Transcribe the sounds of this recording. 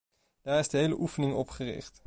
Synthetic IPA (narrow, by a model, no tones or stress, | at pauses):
d̥aːɹɪzdəɦejləʔufənɪŋɔpχərɪ̰χt